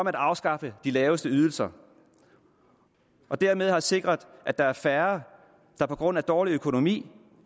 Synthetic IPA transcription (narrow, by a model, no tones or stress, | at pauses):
ɒ̽mæɾ̥ɑ̈ʊsɡ̥ɑ̈fəd̥ilɛːʊəsd̥əyð̞ˠl̩sɐ | ʔɒ̽d̥æɐmeð̞ˠhɑ̥̈se̝ɡ̥ʁɐðˠʔæd̥ɑ̈æɐfæɐɐ | d̥ɑ̈pʰɒ̽ɡ̥ʁɔ̽n̰æd̥ɒːliøkʰo̝no̝mḭː